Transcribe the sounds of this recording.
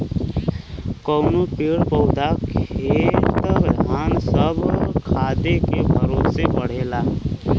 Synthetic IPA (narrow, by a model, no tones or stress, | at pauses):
kəʊnopiɽpɔːd̪ʱaket̪əaːnsəbkʰaːd̪ekebʱəɾosebəɽ̤eːlaː